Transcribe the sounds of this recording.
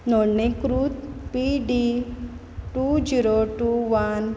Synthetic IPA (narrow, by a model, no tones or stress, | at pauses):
noɽnekɾuːt̪piɖi | ʈud͡ʑiɾoʈuʋan